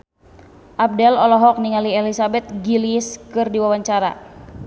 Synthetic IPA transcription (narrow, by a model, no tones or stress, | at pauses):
ʔab̚dɛlɔlɔɦɔk̚niŋalielisabɛt̪̚ɡiliskɨrdiwawaɲt͡ʃaɾa̰